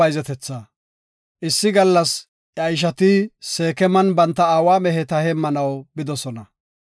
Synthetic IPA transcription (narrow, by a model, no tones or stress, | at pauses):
ɐjzɛt̪ɛt͡sːa | ʔɪsːɪɡɐlːɐs | jjɐjɪʃ̬ɐt̪ɪse̞ːkɛmɐnbɐnt̪ːɐaːwaːmɛɦɛt̪ɐhɛmːɐnɐwbɪd̪ɔsɔnɐ